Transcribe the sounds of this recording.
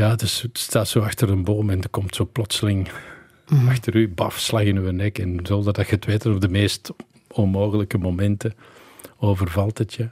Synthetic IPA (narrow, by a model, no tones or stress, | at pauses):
jaːdəsstaːtsoːɑxtəɾənboːmɛndəkɔmtsoːplɔtsəlɪŋ | ɑxtəɾybɑfslɑɣɪnyənɛkɛnzoldədɑxəətʋeːtətɔvdəmeːst | ɔnmoːɣələkəmomɛntə | oːvərvɑlˠthətja